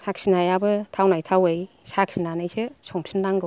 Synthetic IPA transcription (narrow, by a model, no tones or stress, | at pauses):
sak̚sinajabɯtʰawnajtʰawej | sak̚sinanajsesɔŋmsʰinlaŋɡɯ